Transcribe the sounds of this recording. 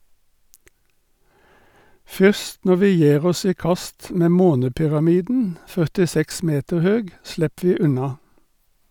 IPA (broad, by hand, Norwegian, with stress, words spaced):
ˈfʏst ˈnɔ ˈʋiː ˈjæːʁ ˈɔs ˈiː ˈkɑst ˈmeː ˈmoːnəpʏʁɑˌmiːdn̩ fœʁtɪˈsɛks ˈmeːtəʁ ˈhøːɡ ˈslɛp ˈʋiː ˈʉnɑ